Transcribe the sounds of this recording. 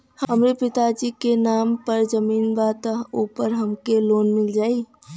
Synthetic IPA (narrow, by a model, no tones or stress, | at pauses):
hɦəmɾepit̪ad͡ʒikenampəɾd͡ʒəminbat̪əɦopəɾɦəmkelonmild͡ʒai